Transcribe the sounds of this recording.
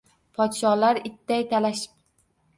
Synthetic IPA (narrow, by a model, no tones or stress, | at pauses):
pʰɒt̪ʃɒlaɾɪt̪ːajt̪ʰalaʃɪ̥p̚